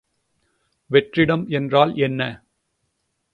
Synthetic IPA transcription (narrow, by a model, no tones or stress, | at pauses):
ʋɛʈrɪɽɐmɛndraːlɛnːɐ